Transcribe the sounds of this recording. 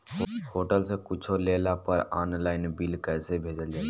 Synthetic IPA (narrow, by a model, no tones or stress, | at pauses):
hoːʈəlsekʊt͡ʃʰoleːlapəɾa̰ːnlaːɪnbɪlkɛːsebʱeːd͡ʒəld͡ʒaː